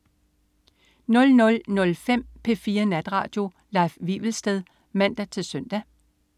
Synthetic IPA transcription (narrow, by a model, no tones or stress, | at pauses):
nɔ̽lnɔ̽lnɔ̽lfem̰pʰe̝fiːɐnæd̥ʁɑ̰̈ːd̥jo̝ | lɑ̈ɪfʋḭʋl̩sd̥eð̞ˠ | mæn̰d̥æt͡sʰe̝lsøn̰d̥æ